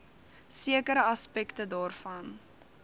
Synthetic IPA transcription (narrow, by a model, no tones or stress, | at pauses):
siəkəɾəɐspɛktədɑːrfɐn